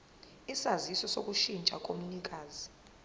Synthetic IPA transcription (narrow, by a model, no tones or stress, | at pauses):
isazisɔsok̬ʼuʃint͡ʃʼakʼomunikʼaːzi̥